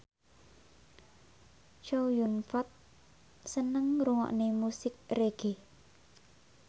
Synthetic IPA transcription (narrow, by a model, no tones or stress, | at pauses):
t͡ʃowjunfat̪̚ | sənəŋruŋɔ̰ʔnemusɪk̚reɡ̥e